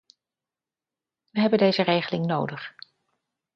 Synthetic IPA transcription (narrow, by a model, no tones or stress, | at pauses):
ʋəɦɛbəndejzərejχəlɪŋnowdəχ